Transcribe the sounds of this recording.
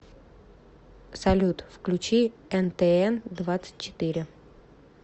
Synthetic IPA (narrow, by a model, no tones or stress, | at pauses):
sɐlʲut̪fklʲʉt͡ɕiɛnt̪ɛɛnd̪vat̪sɨ̥t̚ʲt͡ɕːɪ̥t̪ɪɾʲɪ